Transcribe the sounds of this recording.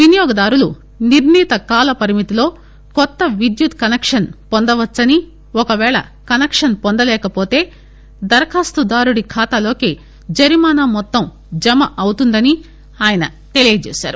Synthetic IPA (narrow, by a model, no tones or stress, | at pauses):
ʋinijɔːɡɐd̪aːɾulu | niɾniːt̪ɐkaːlɐpɐɾimit̪ilo̞ː | kɔt̪ːɐʋid̪jut̪kɐnekʂɐnpond̪ɐʋɐt͡ʃːɐni | ɔkɐʋɛːɭɐ̰kɐnekʂɐnpond̪ɐlɛːkɐpo̞ːt̪e̞ː | d̪ɐɾɐkʰaːst̪ud̪aːɾuɽikʰaːt̪alo̞ːkeː | d͡ʒɐɾimaːnaːmɔt̪ːɐm | d͡ʒɐmɐʔɐwt̪und̪ɐni | aːjɐnɐt̪e̞lijɐd͡ʒḛːsa̰ːɾu